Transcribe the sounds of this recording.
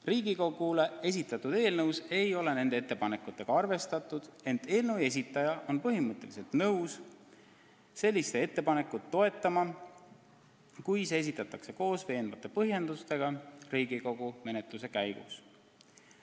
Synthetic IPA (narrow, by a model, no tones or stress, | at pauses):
riːɡiko̞ɡ̥ule̞e̞s̬ʲit̪ːˑɑt̪ːud̪̥e̞ːlnɤwse̞jo̞le̞ne̞nd̪eet̪ːepɑne̞kːˑut̪ːˑe̞ɡ̥ɑɑrve̞st̪ɑt̪ːˑud̪̥e̞nt̪ːe̞ːlnəwe̞s̬ʲit̪ːˑɑjɑʔo̞npɤɦimɤt̪ːˑe̞lise̞lt̪nɤws | se̞lʲːist̪ee̞t̪ːe̞pɑne̞kːˑut̪ːo̞e̞t̪ːˑɑmɑ | kujsees̬it̪ːˑɑt̪ːˑɑkse̞ko̞ːsve̞ːnvɑt̪ːˑe̞pɤɦje̞nd̪ust̪e̞ɡ̥ɑriːɡ̥iko̞ɡ̥ume̞ne̞t̪ˑluse̞kæjɡṵs